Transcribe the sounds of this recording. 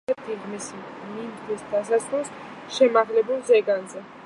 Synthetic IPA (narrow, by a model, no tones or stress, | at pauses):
ɛt̪ʰiʁmisi | minʰisd̪asasɔs | ʃɛmaʁlɛbulˠzɛɡanzɛ